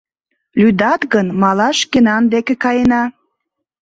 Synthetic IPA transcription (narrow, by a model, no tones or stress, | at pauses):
lyd̪ɑt̪ɣənmɑlɑʃkenɑnd̪ekekɑjenɑ